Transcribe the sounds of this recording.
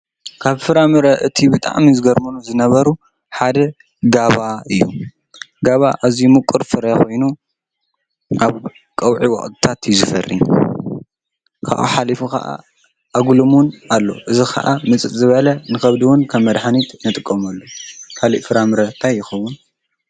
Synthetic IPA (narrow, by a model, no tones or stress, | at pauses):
kʰaβfɨɾamɨɾɐʔɨt̪ʰibɨt̪ʼa̰ʕmizɨɡɐɾmunuzɨnɐβɐɾu | ħad̪ɐ | ɡaβaɨjːṵ | ɡaβaʔazimɨkʼːɨɾfɨɾɐkʰo̞jnu | ʔaβ | kʼɐwʕiwɐ̰χʼt̪ʰʼɨ̥t̪ʰat̪ʰjuzɨfɐ̰rːḭ | kʰa̰ʔṵħalifuka̰ʔa̰ | aɡlumunalːo̞̰ʔɨzixʰɐ̰ʔamɨt͡sʼɨt̪ʼzɨβɐlɐnɨxɐβd̪iwʊnkʰɐmːɐd̪ħanit̪nɨt̪ʼɨkʼːɐmɐlːokʰaliʔfɨɾamɨɾɐt̪ʰajːɪxɐwːun